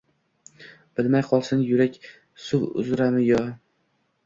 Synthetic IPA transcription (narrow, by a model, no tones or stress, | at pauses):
b̥ɪlmajqʰɒlˠsɪnjʊɾakʲ | sʊwʊ̰zɾamɪjɒ